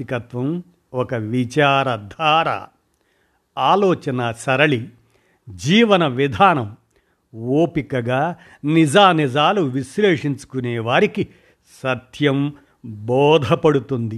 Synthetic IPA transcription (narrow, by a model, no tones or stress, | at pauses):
ikɐt̪ʋɐm | ɔkɐʋit͡ʃaːɾɐd̪ʱaːɾa̰ː | aːlɔːt͡ʃɐnɐsɐɾɐɭi | d͡ʒiːʋɐnɐʋid̪ʱaːnɐm | oːpikɐɡaː | nid͡ʒaːnid͡ʒaːluʋisleːʂiɲt͡ʃu̥kuneːʋaːɾiki | sɐt̪ʰjɐm | bɔːd̪ʱɐpɐɽut̪und̪i